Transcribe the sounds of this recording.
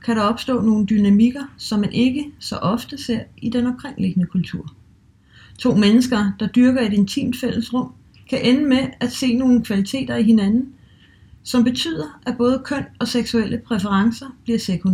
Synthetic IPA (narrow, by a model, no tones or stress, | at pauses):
kʰæɾɑ̈ɒ̽b̥sd̥ɔ̰̽ːno̝ːn̩d̥ynæmiɡ̥ɐsɒ̽mːænʔe̝ɡ̥əsɒ̽ʔɒ̽fd̥əse̝ɐ̰id̥enɒm̥̚kʰʁeŋ̰le̝ɡ̥ənəkʰult͡sʰuɐ̰ | t͡sʰo̝̰ːmenəsɡ̥ɐd̥ɑ̈d̥yɐɡ̥ɐe̝d̥e̝nt͡sʰḭːmd̥fel̰əsʁɔ̽m̰ | kʰæʔenəmeæ̥se̝̰ːno̝ːn̩kʰʋælit͡sʰe̝̰ːd̥ɐiɦe̝nænn̩ | sɒ̽mb̥e̝t͡sʰy̰ːð̰ˠɐʔæb̥ɔ̽ːð̞ˠəkʰœn̰ɒ̽seɡ̥suelʔəpʰʁɛfəʁɑ̈ŋsɐb̥liɐsekʰon